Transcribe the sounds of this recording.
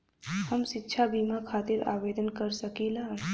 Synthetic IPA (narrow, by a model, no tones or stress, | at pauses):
hɐmʃɪtːʃʰabiːmakʰaːt̪ɪɾa̰ːʋeːd̪ənkɐɾsɐkiːlaː